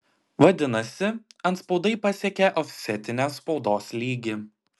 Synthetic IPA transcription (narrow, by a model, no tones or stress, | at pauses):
ʋɐd̪ʲɪnɐsʲɪɐnt̪spɒʊd̪ɐɪpɐsʲɛkʲɛʔɔfʲsʲɛt̪ʲɪnʲespɒʊd̪oːslʲiːɡʲɪ